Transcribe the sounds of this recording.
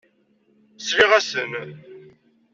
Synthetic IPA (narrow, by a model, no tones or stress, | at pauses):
sliʁæsən